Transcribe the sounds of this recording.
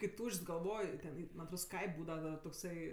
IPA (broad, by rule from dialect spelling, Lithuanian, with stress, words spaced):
kɐɪ ˈtuːʃʲt͡ʃʲsʲ ɡɐlˠˈʋoːj tʲɛn ˈiː mɐnʲ ɐtˈroːt ˈskɐɪpʲ ˈbuːdɐʋɐ dɐ toːkˈsɐɪ